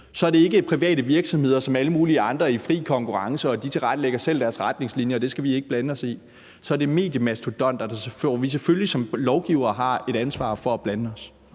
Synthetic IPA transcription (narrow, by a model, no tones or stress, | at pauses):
sɒ̽æɐɾe̝e̝ɡ̥əpʰʁiʋɛ̰ːɾəʋiɐɡ̥sɒ̽mhe̝ð̞̰ˠɐsɒ̽mæləmuːliəɑ̈nd̥ʁɐifʁḭːkʰɒ̽ŋkʰuʁɑ̈ŋsəɒ̽d̥it͡sʰe̝lʁad̥leɡ̥ɐsel̰d̥æɐsʁad̥ne̝ŋslinjɐɒd̥e̝sɡ̥æʋie̝ɡ̥əb̥lænəɒ̽sḭ | sɒ̽æɐde̝me̝̰ːd̥jəmæst͡sʰud̥ɒ̽n̰d̥ɑdɑseføʋis̬eføllisɒ̽mlɒʊɡ̥iʊ̰ɐːɦɑ̈e̝ɾ̥ænsʋɑ̰̈ːfɒ̽æb̥lænəɒ̽s